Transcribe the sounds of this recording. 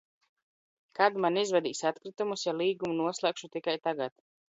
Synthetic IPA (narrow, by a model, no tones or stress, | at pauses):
kad̪manizvɛd̪iːsat̪kɾit̪umusjalˠiːɡumunuɔslˠɛːkʃut̪ikajt̪aɡat̪